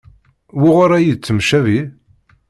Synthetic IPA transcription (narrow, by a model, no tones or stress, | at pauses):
wiʁoɾæjət͡sːəmʃævi